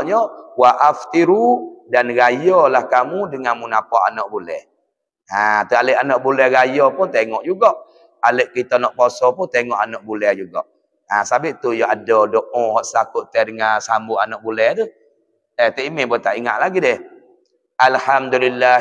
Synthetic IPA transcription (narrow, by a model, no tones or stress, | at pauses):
ɲɔwaʔaft̪iɾudanɡajɔlahkamudəŋanmunapɔʔa̰nɔʔbulɛ̰h | at̪ualeʔanɔʔbulɛhɡajɔpʊnt̪eŋɔʔd͡ʒuɡɔʔ | aleʔkit̪ɔnɔʔbɔsɔpʊnt̪eŋɔʔanɔʔbulɛd͡ʒuɡɔ̰ʔ | asabɪʔt̪ujɔʔadɔdɔʔɔhɔʔsakʊʔt̪ːɛdəŋasambuʔanɔʔbulɛhdu | ɛt̪ɛʔimebot̪aʔiŋa̰ʔlaɡidɛh | alhamd̪ulilːa